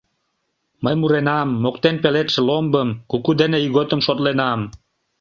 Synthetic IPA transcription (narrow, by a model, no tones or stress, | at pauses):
məjmuɾenɑmːok̚t̪enpelet̪ʃĕlombəmkukud̪eneiɣot̪ə̆mʃot̪lenɑm